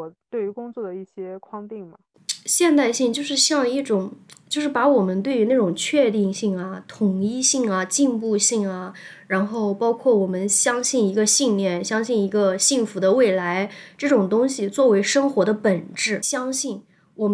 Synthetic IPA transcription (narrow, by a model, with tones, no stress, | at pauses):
ɔ˨˩t̪we˥˩ɪy˧˥kʊ˥ŋt͡swɔ˥˩d̪ə˩i˥˩ɕjɛ˥kʰwɑ˥˧ŋt̪i˥˩ŋmɐ˩ | ɕjɛ˥˧nt̪a˥˧ɪɕi˥˧ŋt͡ɕjo˥˧ʊʂɻ̩˥˧ɕjɑ˥˧ŋi˥˩ʈ͡ʂʊ˨˩˦ŋt͡ɕjo˥˧ʊʂɻ̩˥˩pa˧˥wɔ˨˩mə˦nt̪we˥˩ɪy˧˥na˥˩ʈ͡ʂʊ˨˩ŋt͡ɕʰɥɛ˥˧t̪i˥˧ŋɕi˥˩ŋɐ˩t̪ʰʊ˨˩ŋi˥˧ɕi˥˩ŋɐ˩t͡ɕi˥˧npu˥˧ɕi˥˩ŋɐ˩ɻa˧˥nxo˥˩ʊpɑ˥ʊkʰwɔ˥˩wɔ˨˩mə˦nɕjɑ˥ŋɕi˥˩ni˧˥ɡə˧ɕi˥˧nljɛ˥˩nɕjɑ˥ŋɕi˥˩ni˧˥ɡə˧ɕi˥˩ŋfu˧˥d̪ə˧we˥˩ɪla˧˥ɪʈ͡ʂɤ˥˩ʈ͡ʂʊ˨˩ŋt̪ʊ˥ŋɕi˨˩t͡swɔ˥˩we˧˥ɪʂɤ˥ŋxwɔ˧˥d̪ə˧pə˨˩nʈ͡ʂɻ̩˥˩ɕjɑ˥ŋɕi˥˩n | wɔ˨˩